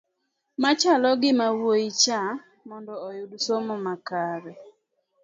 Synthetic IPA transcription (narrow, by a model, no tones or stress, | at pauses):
mat͡ʃalɔɡɪmawwoit͡ʃa | mɔndɔːjʊdsomɔmakaɾɛ